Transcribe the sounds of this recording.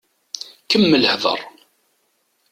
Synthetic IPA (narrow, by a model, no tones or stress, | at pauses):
kəmːələhvə̰ɾˤ